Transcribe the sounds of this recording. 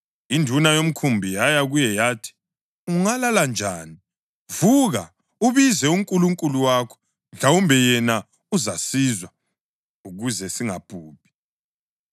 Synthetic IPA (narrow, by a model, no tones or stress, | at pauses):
indʱunajom̩kʰumbʱijajaɣujɛjaːtʰi̥ | uŋalaland͡ʒʱaːni | vuɣa | uβizɛuŋkʼuluŋkʼuluwaːkʰɔ̥ | nɮawumbʱɛjɛna | uzasizwa | uɣuzɛsiŋab̥ʱuːpʰʼi̥